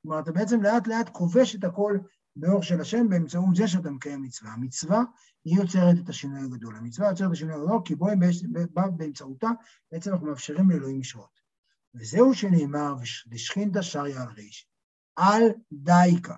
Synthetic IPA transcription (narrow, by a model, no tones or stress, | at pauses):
omaʁat̪abeet͡se̞mleat̪le̞atkʰo̞ve̞ʃe̞tako̞l | beo̞ʁʃe̞laʃe̞mbeːmt͡saut̪zeʃ̬eat̬amekajemːit͡svahamit͡sva | hijo̞t͡se̞ʁet̪̬et̪aʃinujaɡad̪o̞lhamit͡svajot͡set̬ːaʃinujaɡado̞lkiboebebabeemt͡sauta | b̥eet͡semanaχnumeafʃeʁimleloimliʃot̪ | vezeuʃene̞ːmaʁveʃliʃχint̬aʃaʁjaːlʁeʃ | ʔaldajka